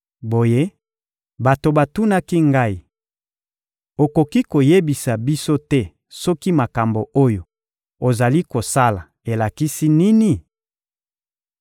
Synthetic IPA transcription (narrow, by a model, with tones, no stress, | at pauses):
bo˨je˦ | ba˨to˨ba˨tu˦na˦ki˦ŋɡa˦i˨ | o˨ko˨ki˦ko˨je˦bi˨sa˨bi˦so˦tɛ˦ | sɔ˦ki˦ma˨ka˨mbo˨ʔo˦jo˨ | o˨za˨li˦ko˨sa˦la˨ | e˨la˨ki˦si˦ni˦ni˨